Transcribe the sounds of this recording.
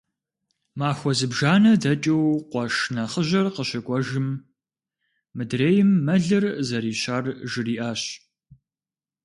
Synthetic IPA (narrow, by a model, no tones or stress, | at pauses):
maːxʷɔzɨbʒaːnɐdɐt͡ʃʼɐwqʷɔʂnɐχəʑɐrqəɕɐkʷʼɔʒɨm | mɨdreːjɪmːɐɮɨrzɐɾiːɕaːrʒɨriːʔaːɕ